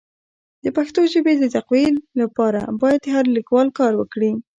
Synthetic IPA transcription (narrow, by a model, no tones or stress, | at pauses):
d̪əpaxt̪oʒəbed̪əzaqwilapɑɾa̰bɑjad̪ɦaɾlikwɑlkɑɾwəkɽi